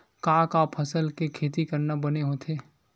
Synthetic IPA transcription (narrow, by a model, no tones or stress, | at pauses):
kaːkaːpʰɐsəlkekʰeːt̪̬ikɐɾnabɐneɦot̪ʰeː